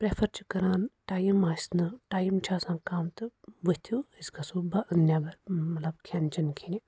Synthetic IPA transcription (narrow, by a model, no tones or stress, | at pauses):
pɾeːpʰɐɾt͡ʃʰi̥kɐɾaːnʈaːjimaːsnɨʈaːjimt͡ʃʰaːsãːkaːmt̪ɨʋɨt̪ʰuiskasuːbaʔɐnjabɐɾmɐt̪lɐb̚kʰant͡ʃinkʰinʲi